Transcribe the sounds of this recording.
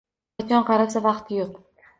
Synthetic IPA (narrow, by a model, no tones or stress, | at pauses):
ɒnqɑɾapsavɑqt̪ʰɪjoq